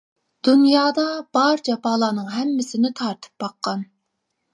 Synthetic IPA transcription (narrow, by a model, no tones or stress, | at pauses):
d̪̥unjɑːd̪ɑb̥ɑɾd͡ʒɑpʰɑːlˠɑːnɨŋɦɛmːɪsɪnɪt̪ʰɑɾt̪ʰɨ̥p̚bɑqːɑn